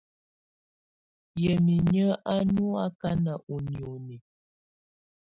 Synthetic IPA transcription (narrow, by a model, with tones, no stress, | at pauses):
jə˨mi˨ɲə˦ʔa˦nu˦a˦ka˦na˨ʔu˨njo˨ni˨